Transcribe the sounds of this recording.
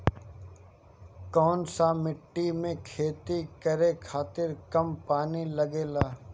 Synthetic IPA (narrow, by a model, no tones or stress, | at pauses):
kɔːnsamɪʈːimẽkʰeːt̪ikəɾekʰaːt̪ɪɾkɐmpaːniləɡeːlaː